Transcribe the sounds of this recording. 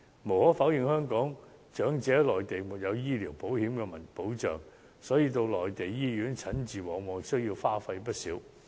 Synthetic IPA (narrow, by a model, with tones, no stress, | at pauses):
mo˨˩whɔː˨˥faː˨˥wjɪ˨ŋhœː˥ŋkɔː˨˥ŋt͡ʃœː˨˥ŋt͡sɛː˨˥lɔː˨jt̪e˨˩jmuː˨˩t̚jɐ˨˧wjiː˥liː˨˩wpo˨˥whiː˨˥mkɛː˧mɐ˨˩npo˨˥wt͡ʃœː˨ŋ | sɔː˨˥jiː˧t̪o˧wlɔː˨jt̪e˨jːiː˥jyː˨˥nt͡sʰɐ˨˥nt͡siː˨wɔː˨ŋwɔː˨˧sɵ˥ɥjiː˧wfaː˥fɐ˧jpɐ˥t̚siː˨˥w